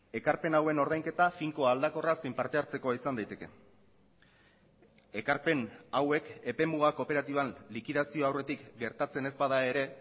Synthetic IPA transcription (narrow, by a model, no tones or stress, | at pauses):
e̞kaɾpe̞nawe̞no̞ɾð̞ajŋke̞t̪afiŋko̞ald̪ako̞rasejmpaɾt̪e̞aɾt͡se̞ko̞aisand̪ajt̪e̞ke̞̰ | e̞kaɾpe̞nawe̞ke̞pe̞muɣ̞ako̞pe̞ɾat̪iβ̞anlikiðasio̞awre̞t̪ikɡe̞ɾt̪at͡se̞ne̞zbaðae̞ɾe̞